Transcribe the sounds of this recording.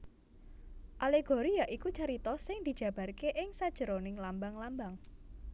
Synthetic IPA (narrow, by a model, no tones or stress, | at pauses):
ʔaleɡ̥o̤ɾijaʔikut͡ʃaɾit̪ɔsɪŋd̪̥i̤d̥ʒ̥ä̤b̥a̤rkeʔɪŋsad̥ʒ̥əɾonɪŋlambaŋlambaŋ